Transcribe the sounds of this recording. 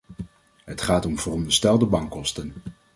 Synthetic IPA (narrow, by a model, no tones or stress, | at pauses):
ɦətχaːtɔmvərɔndəɹstɛlˠdəbɑŋkɔstən